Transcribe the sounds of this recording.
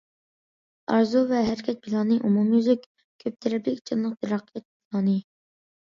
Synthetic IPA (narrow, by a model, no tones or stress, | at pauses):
ɑɾzuvɛɦæɾɪkʲʰɛt̪̚bilˠɑnɨʔumumjyzykʲ | kʲʰøp̚t̪ʰɪɾɛplɪkʲt͡ʃʰɨnlˠəq̚t̪ʰɪɾɑqʰːijɛt̪̚bilˠɑːnɨ